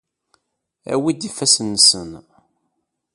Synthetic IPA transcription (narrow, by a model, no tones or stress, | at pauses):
æ̰wid̪ifːæsənːsən